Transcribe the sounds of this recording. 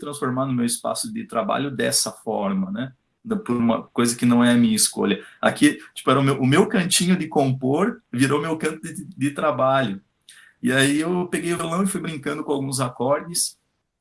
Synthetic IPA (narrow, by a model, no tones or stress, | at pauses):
t̪ɾɐ̃sfoɾmaɾnʊ̃mewɪspa̰sʊd̪ɪt̪ɾaba̰ʎʊd̪ɛ̰sɐfɔ̰ɾmɐnɛ | pʊɾũmɐ̰kojzɐkɪnɐ̃w̃ɛɐmĩɲɐɪsko̰ʎɐa̰kit͡ʃi̥pʊɛɾɐʊmewʔʊmewkɐ̃nt͡ʃĩɲʊd̪ɪkõmpoɾviɾomewkɐ̃nt̪ʊd̪ɪd̪ɪt̪ɾabaʎʊ | ɪaiewpeɡejʊvelɐ̃w̃ɪfujbɾĩŋkɐ̃nd̪ʊkõawɡũzakɔɾd͡ʒɪs